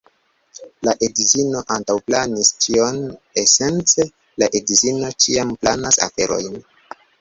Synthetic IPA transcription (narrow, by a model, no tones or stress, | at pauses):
laʔedizino̞ʔantawplanist͡ʃio̞nese̞nt͡se̞ | laʔedizino̞t͡ʃiamplanasa̰fe̞ɾo̞̰jn